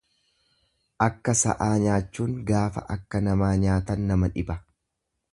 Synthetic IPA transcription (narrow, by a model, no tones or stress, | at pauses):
ʔɐkːɐsɐ̰ʔaːɲaːt͡ʃːuːŋɡaːfɐ̰ʔɐkːɐnɐmaːɲaːt̪ɐnːɐmɐᶑɪbɐ